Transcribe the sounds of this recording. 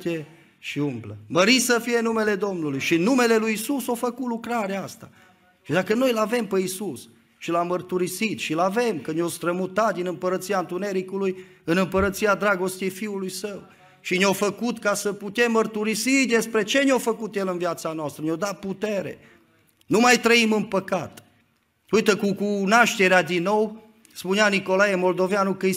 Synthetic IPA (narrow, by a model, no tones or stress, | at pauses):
t̪e | ʃiumblə̰məɾisəfije̞nume̞le̞d̪o̞mnulujʃiɨnːume̞le̞lujisusofəkut̪lukɾaɾeaast̪a̰ | ʃid̪akəno̞jlave̞mpeisus | ʃilamːərt̪uɾisit̪ʃilave̞mkənjost̪ɾəmut̪at̪̚d̪inɨmpəɾət̪siant̪une̞ɾikuluj | ɨnɨmpəɾət̪siad̪ɾaɡo̞st̪ejfiulujsəw | ʃineofəkut̪kasəput̪e̞mːərt̪uɾisid̪e̞spɾe̞t͡ʃe̞neofəkut̪je̞lɨnvjat̪sanoast̪ɾəneod̪at̪̚put̪e̞ɾe̞̰ | numajt̪ɾəimɨnpəkat̪ | ujt̪əkukunaʃt̪e̞ɾead̪inːo̞w | spuneaniko̞lajemo̞ld̪o̞veanukə